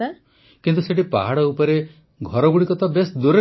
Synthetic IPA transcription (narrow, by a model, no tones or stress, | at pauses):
a | kint̪useʈipa̰ɦaɽɔupɔɾe | ɡʱɔɾɔbuɽikɔt̪ɔbesd̪uɾe